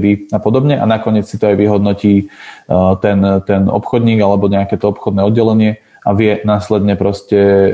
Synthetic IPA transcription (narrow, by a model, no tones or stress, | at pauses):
d̪iapɔd̪ɔbɲɛʔa̰nakɔɲɪɛt͡ssit̪ɔajʋiɦɔd̪nɔciː | t̪ɛnt̪ɛnɔ̰pxɔd̪ɲiːɡalɛbɔɲɛakɛːt̪ɔɔpxɔd̪nɛːɔd̪ɟɛlɛɲɪɛ | aʋɪɛnaːslɛd̪ɲɛpɾɔscɛ